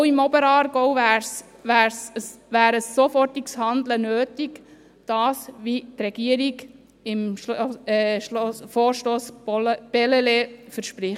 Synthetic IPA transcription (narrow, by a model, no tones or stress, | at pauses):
ɪmɔbəɾɑːɾɡɔʊʋæːɾs | ʋæːɾsəsʋæːɾəsːofɔrtɪkshɑnd̪lənøːtik | d̥ɑːsʋitɾɛɡ̥iəɾiɡ | ɪm | foːɾʃtoːsb̥ɛlelefəɾʃpɾɪχt